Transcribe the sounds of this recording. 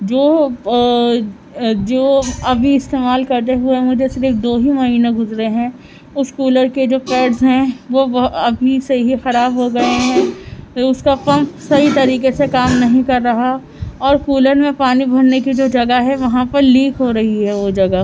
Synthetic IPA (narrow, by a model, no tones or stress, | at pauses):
d͡ʒoː | d͡ʒoːɐbʱiɪst̪eːmaːlkɐɾt̪eɦʊemʊd͡ʒʱesɪɾɪfd̪oːɦimɐɦiːneɡʱʊzɾeɦɛ̃ː | ʊʃkuːləɾked͡ʒoːpɛːʈzɦɛ̃ʋoɐbʱiseɦixɐɾaːbɦoɡɐeɦɛ̃ʊskapɐ̃mpsɐɦit̪ɐɾiːkesekaːmnɐɦĩkɐɾːɐɦa | ɔːɾkuːləɾmẽpaːnibʱɐɾnekid͡ʒoːd͡ʒɐɡaɦɛʋɐɦãpɐɾliːkʰɦoɾɐɦiɦɛʋod͡ʒɐɡa